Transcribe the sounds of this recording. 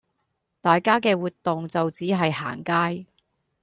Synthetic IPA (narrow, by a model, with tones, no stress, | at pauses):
t̪aː˨jkaː˥kɛː˧wuː˨t̚t̪ːʊ˨ŋt͡sɐ˨wt͡siː˨˥ɦɐ˨jha̰ː˨˩ŋkaː˥j